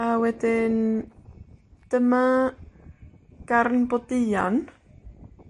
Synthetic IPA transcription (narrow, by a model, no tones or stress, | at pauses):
awɛt̪en | t̪əma | kaɾnpot̪ija̰n